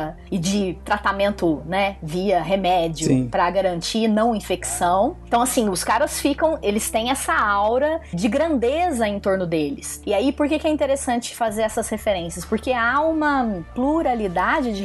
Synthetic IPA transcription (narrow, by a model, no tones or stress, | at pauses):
ɪd͡ʒɪt̪ɾat̪amẽnt̪ʊnɛviɐɦemɛd͡ʒjʊpɾɐɡaɾɐ̃nt͡ʃinɐ̃w̃ĩfeksɐ̃w̃t̪ɐ̃w̃asĩʊskaɾɐsfikɐ̃w̃elɪst̪ẽj̃ɛsɐawɾɐd͡ʒɪɡɾɐ̃nd̪ezɐẽnt̪oɾnʊd̪elɪsɪaipoɾkekɪɛĩnt̪eɾesɐ̃nt͡ʃɪ̥fazeɾɛsɐshefeɾẽsiɐspoɾkeaũmɐpluɾalid̪ad͡ʒɪd͡ʒɪ